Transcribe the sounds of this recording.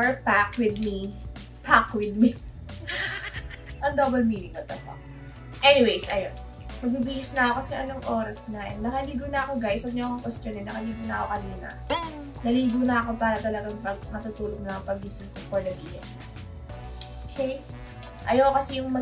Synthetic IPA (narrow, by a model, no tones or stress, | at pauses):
ɛɹpakwɪd̪̚mi | pʰakwɪd̪̚mi | ʔɐŋd̪oːbɐlmiːnɪŋɐt̪ɐpɐk | ʔɛnɪwejsʔɐjon | pɐɡ̚bibiːhɪsnɐɐko̞kɐsɛʔɐnoŋʔoːɾɐsnɐɛnːɐkɐliːɡonɐɐko̞ɡajswɐɡɲoɐkoŋʔost̪ɛnɛnɐkɐliːɡonɐʔko̰kɐniːnɐ̰ | nɐliːɡonɐɐko̞paːɾɐt̪ɐlɐɡaŋpɐɡmɐt̪ut̪uːloɡ̚nnɐŋpɐɡ̚bisɪnkofɔɹd̪ɐbiːhɪsɐ | ʔ | ʔokʰɛj | ʔɐjakokɐsɛjʊŋmɐ